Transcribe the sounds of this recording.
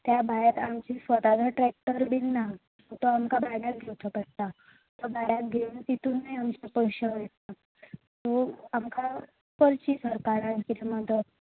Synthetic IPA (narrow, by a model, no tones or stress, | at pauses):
t̪jabʱajat̪amt͡ɕisʋət̪ad͡z̪ʱaʈɾɛk̚ʈəɾbinːa | ot̪oamkabajɽat̪̚ɡʱewt̪ʰəpəɽ̚t̪a | t̪ɔbʱaɽjat̪ɡʱeunt̪it̪uːnːaiamt͡ɕepəɕəʋet̪a | t̪oamkʰa | pəɾt͡ɕisəɾkaɾankiɾemad̪ə